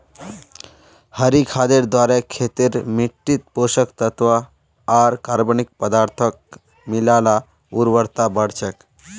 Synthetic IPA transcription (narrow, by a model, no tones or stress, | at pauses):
həɾikʰaːd̪eɾd̪waːɾɛkʰːet̪iɾmiʈːit̪̚poʃəkt̪ət̪ʋaː | ɾkaɾbənik̚pəd̪aːɾt̪ʰək̚ | milaːla | uɾʋəɾt̪abəɽt͡ʃʰək